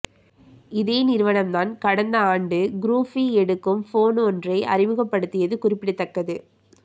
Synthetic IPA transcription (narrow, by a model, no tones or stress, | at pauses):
ɪðeːnɪɾɯʋɐnɐmt̪aːnkɐɽɐnd̪ɐaːɳɖɯɡɾuːfiɛɽɯkːɯmfoːnɔndrɐɪʔɐ̰rɪʋɯɣɐpːɐɽɯt̪ːɪjɐðɯkʊrɪpːɪɽɯt̪ːɐkːɐðɯ